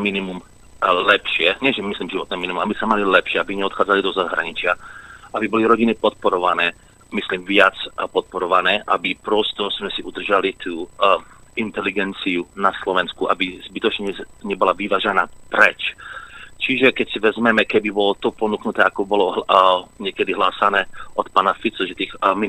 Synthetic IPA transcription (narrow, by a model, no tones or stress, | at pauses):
minimum | lɛpʃɪɛɲɛʒɛmisliːmʒiʋɔt̪nɛːminimumabisamalilɛpʃɪɛabiɲɛɔt̪xaːd͡zalid̪ɔzaɦɾa̰ɲit͡ʃɪaʔabibɔliɾɔɟinipɔt̪̚pɔɾɔʋanɛː | mislimvɪat͡spɔt̪̚pɔɾɔʋanɛːʔabipɾɔst̪ɔzmɛsiʔud̪r̩ʒalit̪uː | int̪ɛliɡɛnt͡siunaslɔʋɛnskuʔa̰bizbit̪ɔt͡ʃɲɛɲɛbɔlaʋiʋaːʒɛnaːpɾɛt͡ʃ | t͡ʃiʒɛkɛcsiʋɛzmɛmɛkɛbibɔlɔt̪ɔpɔnuknut̪ɛːakɔbɔlɔ | ɲɛkɛd̪iɦlaːsanɛːʔɔt̪paːnafit̪t͡sɔʒɛt̪iːxmi